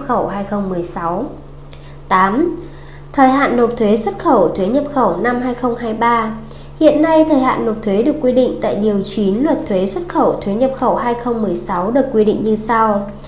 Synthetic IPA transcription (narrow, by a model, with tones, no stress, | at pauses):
p̚xə˧˩whaː˧jxə˧wŋ͡mmɨ˨˩əjsa˨˦w | t̪aː˨˦m | t̪ʰəː˨˩jɦa̰ː˧˨nːo˨˩p̚t̪ʰwe˨˦swə˦˥t̚xə˧˩wt̪ʰwe˨˦ɲə˨˩p̚xə˧˩wna˧mɦaː˧jxə˧wŋ͡mhɦaː˧jɓaː˧ | hḭ˧˨ənːa˧jt̪ʰəː˨˩jha̰ː˧˨nːo˨˩p̚t̪ʰwe˨˦ɗɨ˨˩əkːwi˧ɗḭ˧˨ŋ̟t̪a̰ː˧˨jɗi˨˩əwt͡ɕi˨˦nlwə˨˩t̚t̪ʰwe˨˦swə˦˥t̚xə˧˩wt̪ʰwe˨˦ɲə˨˩p̚xə˧˩whaː˧jxə˧wŋ͡mmɨ˨˩əjsa˨˦wɗɨ˨˩əkːwi˧ɗḭ˧˨ŋ̟ɲɨ˧sa˧w